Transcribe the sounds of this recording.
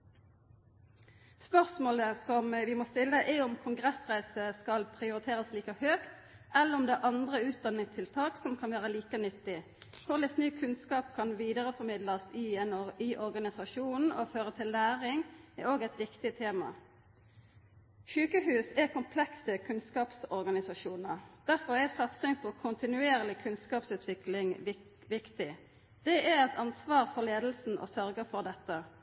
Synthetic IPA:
spœʁsmoːləsɔmʋɪmoːst̪ɪlːəʔɛʊmkʰʊŋɡʁɛsʁæɪsəskɑlpʰʁɪʊɾɪt̪ʰeːʁəsliːkəhøːkt̪ | ɛlːəʁɔmd̪ɛʔɑnd̪ʁəʉːt̪̚d̪ɑnːɪŋt̪ʰɪlt̪ʰɑːksɔmkʰɑnʋæːʁəliːkənʏt̪ːɪ | kʰʊʁlɪsnyːkʰʉnskɑːp̚kʰɑnʋiːd̪əʁəfɔʁmɪd̪lɑsɪɛniʔɔʁɡɑnɪsɑʃuːnn̩oføːʁət̪ʰɪlːæːʁɪŋɛoːɡɛt̪ʋɪkt̪ɪt̪ʰeːmɑ̰ | ʃʉːkəɦʉːsɛkʰʊmpʰlɛksəkʰʉnskɑːpsɔɾɡɑnɪsɑʂuːnəʁd̪̥æʁfɔʁɛsɑt̪sɪŋpʰɔkʰʊnt̪ɪnʉeːʁlɪkʰʉnskɑːpsʉːt̪ʰʋɪklɪŋ | ʋɪkt̪ɪ | d̪̥ɛɛɛt̪ʰɑnsʋɑːʁfɔʁleːd̪l̩sn̩ʔɔ̰sœɾɡəfɔʁd̪ɛt̪ːə

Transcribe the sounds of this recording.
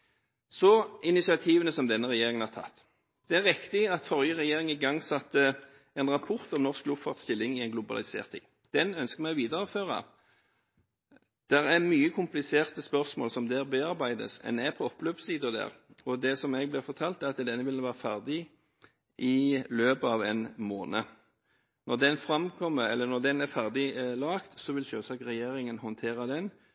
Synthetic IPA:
sɔɪnɪsɪɑt̪ʰiːʋənəsɔmd̪ɛnːəʁɛjeːɾɪŋənhɑt̪ʰɑ̰t̪ː | d̪̥ɛæʁɪkt̪ɪɑt̪fɔʁjəʁɛjeːʁɪŋɪɡɑŋsɑt̪ːə | ɛnʁɑpʰʊʁt̪ɔmnɔʁsk̚lʊfɑːʁt̪st̪ɪlːɪŋɪɛɪnɡlʊbɑ̰lɪsḛːʁt̪ʰːɪ̰ŋ | d̪̥ɛnœnskəmæɪʋiːd̪əɾɔføːʁɑ̰ | d̪̥ɛɾæɾmyːəkʰʊmplɪseːʁt̪əspœʁsmo̰ːlsɔmd̪æʁbeːɑɾbæɪd̪ə̰sɛ̰nɛpʰɔɔpːløːpsiːd̪ʊd̪æ̰ːʁɔd̪ɛsɔmɛɡ̚blɪfɔʁt̪ʰɑːlt̪æʁɑt̪d̪ɛnːəʋɪlʋæːʁəfæʁd̪ɪ | ʔɪløːbəɑːʋɛnmoːnə | nɔʁd̪ɛnfɾɑmkʰɔmːəɛlːənɔʁd̪ɛnæɾfæʁd̪ɪlɑːkt̪sɔʋɪlʃøːsɑːkʁɛjeːɾɪŋənhɔnt̪ʰeːɾɑd̪ɛn

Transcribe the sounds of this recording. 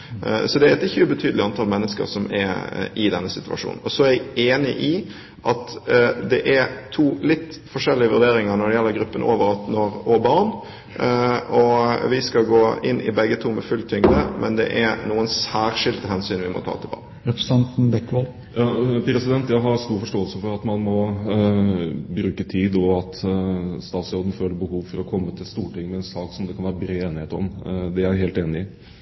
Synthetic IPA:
sɔd̪ɛæɾɛt̪ɪçːəʉbət̪ʰyːd̪lɪɑnt̪ʰɑlmɛnːəskə̰ɾsɔmɛɾɪd̪ɛnːəsɪt̪ʉɑ̰ʂṵːnn̩ɔsɔæɾæɪeːnɪʔɪ | ʔɑt̪d̪ɛʔæɾt̪ʰuːlɪt̪ːfɔʂɛlːɪəʋʉɾd̪eːɾɪŋəɾnɔɖ̪ɛjɛlːəɾɡɾʉpːənʔoːʋəɾɑt̪nɔɾʔoːbɑɾɳ | ɔʋɪskɑɡoːɪnːʔɪ̰bɛɡːət̪ʰuːmɛfʉlt̪ʰʏŋd̪əmʔɛ̰nd̪ɛ̰ʔæɾnuːənsæːɾʂɪlt̪əɦɛnsyːnʋɪmɔ̰t̪ʰɑ̰ːt̪ʰɪlbɑ̰ːʁn | ɾɛpɾəsɑnt̪n̩bɛkːʋɔl | jɑːpɾɛsɪd̪ɛnt̪jæɪɦɑɾst̪uːɾfɔʂʈoːəlsəfɔɾɑt̪mɑnmɔ | bɾʉːkət̪ʰiːd̪ɔɑt̪st̪ɑːt̪sɔːd̪ən̩føːlːəɾbəhuːʋfɔɾɔkʰɔmːət̪ʰɪlst̪uːʈɪŋːmɛɛnsɑːksɔmd̪ɛkʰɑnʋæːɾəbɾeːeːnɪheːt̪ɔ̰md̪ɛæɦeːlt̪eːnɪɪ

